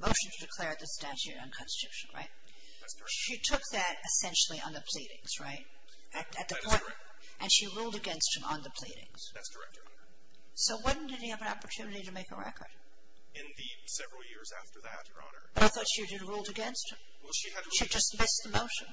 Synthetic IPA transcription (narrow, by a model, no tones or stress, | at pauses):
moʊʃn̩zdɨkʰl̥ɛɹd̪̚ðɨstæt͡ʃʉɾɨ̰̃nkʰɑ̃nsɨ̥tʉʃɨ̃n̩ɹa̰ɪt̚ | ʃitʰʊk̚ðɨɾɨsɛ̃nʃl̩ˠiʔə̰̃nðɨpʰl̥iɾɪ̰̃ŋz̥ɹa̰ɪt̚ | ɨtɨt̪̚ðɨpʰɔ̃ɪ̃n | ʔɨ̃nʃiɹulˠdɨɡɛ̃nst̚hɨ̃mə̰̃nðəpʰl̥ḭɾɪ̰̃ŋz̥ | sdəɛ | soʊwʌdⁿn̩dɨtiɨvənɑ̰pə˞tʰʉnɨɾiɾɨmeɪkə̰ɹɛ̰kʰə̰˞d̥ | ɪ̃nɨ | sɛvɹl̩ˠjɪɹzæ̰ftə˞ðæ̰t̚ə̰˞nə̰˞b̥ʌɾaɪθɔtʃidɨd̚ɹulˠdɨɡɛ̃nst̚hɨ̃m | wʃiʃid͡ʒʌstmɪsðəmoʊʃɨ̃n